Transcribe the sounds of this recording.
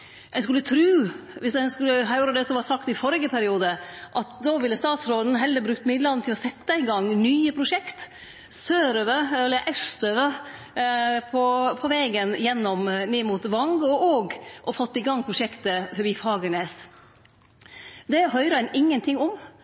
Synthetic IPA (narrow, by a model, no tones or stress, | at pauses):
ɛnskʉlːət̪ʰɾʉːʋɪsd̪ɛnskʉlːəɦæɾoːɾəd̪ɛsɔʋɑːsɑkt̪ɪfɔɾɪɡəpʰæɾɪuːd̪əʔɑt̪̚d̪oːʋɪlːəst̪ɑːt̪sɾoːd̪n̩ɦɛlːəbɾʉkt̪mɪd̪lɑd̪nt̪ʰɪlɔsɛt̪ːəɪɡɑŋnyːəpʰɾʊʂɛkt̪ | søːɾøʋəɛlːəɾʔɛst̪øːʋə | pʰɔpʰɔʋɛːɡənjɛnːɔmneːmuːt̪ʋɑŋɡɔɔːɡʔɔfɔt̪ːɪɡɑŋːpʰɾʊʂɛkt̪əfɔɾbiːfɑːɡəneːs | d̪ɛɦœʏɾəɛnʔɪŋːənt̪ʰɪŋːɔm